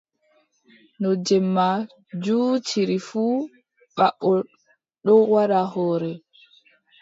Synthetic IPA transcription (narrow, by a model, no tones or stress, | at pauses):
nɔd͡ʒɛmːa | d͡ʒut͡ʃiɾifuː | ɓaɓːɔ | ɗɔwaɾahɔːɾɛ